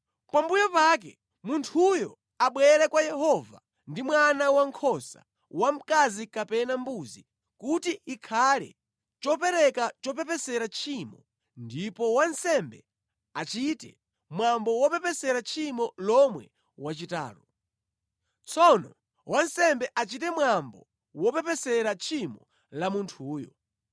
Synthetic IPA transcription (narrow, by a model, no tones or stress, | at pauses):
pambujɔpakɛ̰ | muntʰujɔ | aɓwɛɾɛkwajɛɦɔva | ndimwanawaŋkʰɔsa̰ | wam̩kazikapɛnambuzi | kutiikʰalɛ̰ | t͡ʃɔpɛɾɛkat͡ʃɔp̬ɛpɛsɛɾat͡ʃʰimɔ | ndipɔwansɛmbɛ | at͡ʃitɛ̰ | mwambɔwɔpɛpɛsɛɾat͡ʃʰimɔlɔmwɛ | wat͡ʃita̰ːɾɔ | t͡sʰɔnɔ | wansɛmbɛʔat͡ʃitɛmwambɔ | wɔpɛpɛsɛɾat͡ʃʰimɔ | lamuntʰuːjɔ̰